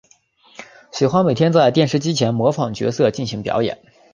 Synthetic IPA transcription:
ɕi˨˩xwa˥nme˨˩ɪt̪ʰjɛ˥nt͡sa˥˧ɪt̪jɛ˥˩˧nʂɻ̩˥˧t͡ɕi˥t͡ɕʰjɛ˧˥nmwɔ˧˥fɑ˨˩ŋt͡ɕɥɛ̰˧˥sɤ˥˧t͡ɕi˥˩nɕi˧˥ŋpjɑ̰˧˥ʊjɛ̰˨˩˦n

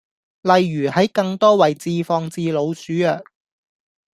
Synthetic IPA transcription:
lɐ˨jːyː˨˩hɐ˨˥jkɐ˧ŋt̪ɔː˥wɐ˨˩jt͡siː˧fɔː˧ŋt͡siː˧lo˨˧wsyː˨˥jœː˨k̚

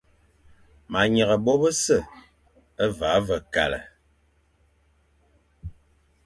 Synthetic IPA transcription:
ma˨ɲə˨ɣə˨bɔ˦bə˦sə˦˨ | ə˦va˨˦və˨ka̰˨lə̰˨

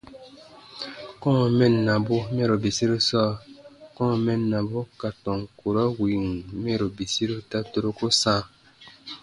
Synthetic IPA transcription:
kɔ̃˦˨mɛ˦nːa˨bo˦mɛ˦ɾo˨bi˨si˦ɾi˦sɔː˦˨kɔ̃˦˨mɛ˦nːa˨bo˦ka˨tɔ̃˨ŋ˨ku˨ɾa˦wi˨ŋmɛ˦ɾo˨bi˨si˦ɾi˦ta˦to˦ɾo˦ko˦sã˦˨

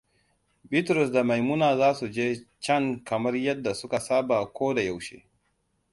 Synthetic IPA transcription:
bi˦tɾɔ˨s̬da˨ma˨jmʊ˦naː˨zaː˦su˨d͡ʒeː˦t͡ʃɐ˦ŋkɐ˨mɐ˦rjɐ˦dːa˨sʊ˦ka˨saː˦baː˨kʷoː˦da˨ja˨wʃḛː˦

